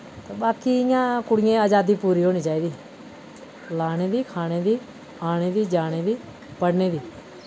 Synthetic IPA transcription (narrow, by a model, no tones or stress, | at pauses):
t̪eːɓaːkiːɪjãːkʊɽɪjẽːaːd͡ʒaːd̪iːpuːɾiːɦoːniːt͡ʃaːiːd̪iː | laːɽ̃eːb̪iːkʰaːɽ̃eːd̪iː | aːɽeːd̪iːd͡ʒaːɽ̃eːbiː | pəɽneːd̪iː